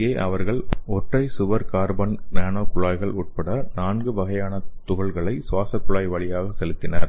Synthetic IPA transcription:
eːʔɐʋɐɾɣɐɭɔʈrɐɪsʊʋɐɾkaːɾbɐnnaːnoːkʊɭaːjɣɐɭuːʈ̚pɐɽɐnaːnɡɯʋɐɣɐjaːnɐt̪ʊɣɐɭɣɐɭɐɪsʊʋaːsɐkːʊɭaːjʋɐɭɪjaːɣɐsɛlɯt̪ːɪnɐɾ

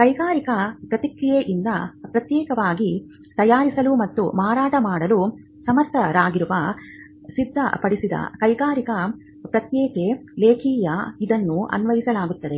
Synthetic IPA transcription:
kɐjɡaːɾikɐpɾɐt̪ikɾijeʔind̪ɐpɾɐt̪jɛːkɐʋaːɡi | t̪ɐjaːɾisɐlumɐt̪ːṵmaːɾaːʈɐmaːɽɐlu | sɐmɐt̪ɐɾaːɡiɾuʋɐ | sid̪ʱːɐ̰pɐɽisid̪ɐ̰kɐjɡaːɾikɐ | pɾɐt̪jɛːkeleːkʰiːjɐid̪ɐnːuɐ̰nʋɐjisɐlaːɡut̪ːɐd̪e̞

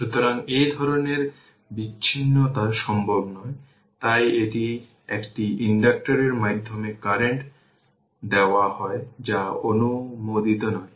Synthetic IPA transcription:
ʃut̪oɾaŋed̪ʱɔɾoneɾ | biːɕʰinːot̪aɾʃɔmbʱobnɔe | t̪ajeʈi | ekʈiiɳɖak̚ʈaɾeɾmad̪ʱːomekaɾeɳʈ | d̪eoahɔed͡ʑaonumod̪it̪onɔe

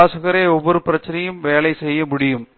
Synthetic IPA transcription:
aːsɐɣɐɾeoʋːɐɾɯprɐt͡ɕːinɐjɯmʋeːɭɐɪsejːɐmuɽɪjɯm

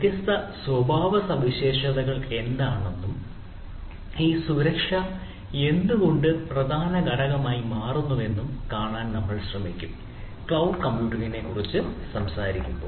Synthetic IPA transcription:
ɐt̪jɐst̪ɐswɐbʱaːʋɐsɐʋiɕe̞ːʂɐðɐɣɐɭe̞nd̪aːɳenːum | iːsuɾɐkʂɐ | e̞nd̪uɣo̞ɳɖɨprɐd̪ʱaːnɐɡɐɽɐɣɐmaːjimaːrunːuʋe̞nːumkaːɳaːnnɐmːɐɭɕrɐmikʲːum | kɭɐwɖkɐmːjuːʈiɣine̞kːurit͡ɕːɨsɐmsaːɾikʲːumboː

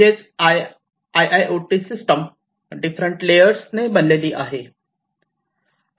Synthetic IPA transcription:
et͡s | ajajʔoʈisisʈəm | ɖifɾəɳʈlejəɾsnebənleliːʔaɦe

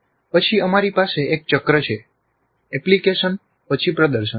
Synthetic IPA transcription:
pət͡ʃʰiəmaɾipaseʔek̚t͡ʃəkɾət͡ʃʰe | ɛplikeʃən | pət͡ʃʰipɾəd̪əɾʃə

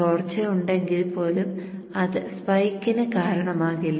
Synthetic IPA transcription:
oːrt͡ɕːɐjuɳɖe̞ŋɡilpo̞ːlumɐðɨspɐjikʲːɐnɐkaːɾɐɳɐmaːɣilː

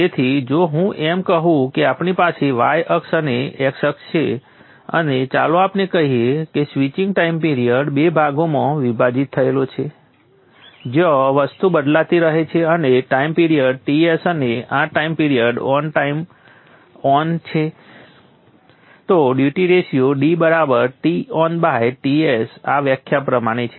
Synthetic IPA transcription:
et̪ʰid͡ʒoɦũʔemkəɦũkeapɳipaseʋajəksəneeksəkst͡ʃʰe | ə̰net͡ʃaloapnekəɦiekesʋit͡ʃĩŋɡʈaimpiɾiəɖbebʱaɡomãʋibʱad͡ʒit̪ʰːəelot͡ʃʰe | d͡ʒɔʋəst̪ubəd̪lat̪iɾəɦet͡ʃʰeəneʈaimpiɾijəɖ̚ʈiesəneaʈaimpiɾiəɖɔnʈaim | ɔnt͡ʃʰe | t̪oɖjuʈiɾesijoɖibəɾabəɾʈiɔnbaɦeʈiesaʋjəkʰjapɾəmaɽ̃et͡ʃʰe̥

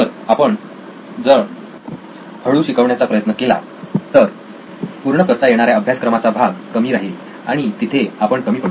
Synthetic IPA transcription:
əɾapəɳ | d͡zə | həɭuːɕikəʋɳjat͡sapɾəjət̪nəkela̰ | t̪əɾ | puɾɳəkəɾt̪ajeɽ̃aɾjaəbʱjaskɾəmat͡sabʱaɡkəmiːɾaɦil | aɽ̃it̪it̪ʰeapəɳkəmiːpə

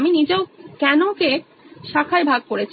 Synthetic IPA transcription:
minid͡ʑeokɛnoke | ʃakʰaebʱaɡ̚koɾet͡ɕʰ

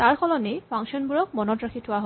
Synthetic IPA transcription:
t̪aɹkʰɔlɔnepʰaŋsɔnbuɹɔk̚mɔnɔtɹakʰitʰʊwaɦɔ

